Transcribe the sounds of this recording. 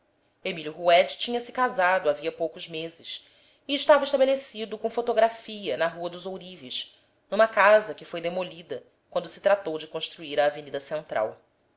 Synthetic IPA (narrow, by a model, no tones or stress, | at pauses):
emiljuɦuɛd͡ʒɪ̥t͡ʃĩɲɐsɪ̥kazad̪ʊaviɐpowkʊzmezɪs | iːʃt̪avɐɪʃt̪abelesid̪ʊkõw̃fot̪oɡɾafiɐnɐɦuɐd̪ʊzowɾiviʃ | nũmɐkazɐkɪfojd̪emoʎid̪ɐ | kwɐ̃nd̪ʊsɪ̥t̪ɾat̪owd͡ʒɪkõʃt̪ɾuiɾɐːvenid̪ɐsẽnt̪ɾʔa̰w